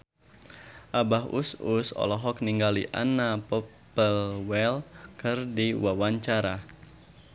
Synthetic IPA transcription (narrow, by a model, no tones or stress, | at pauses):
ʔabahṵsusɔ̰lɔɦɔk̚niŋɡaliʔa̰napɔpəlwɛlkɨrdiwawaɲt͡ʃaɾa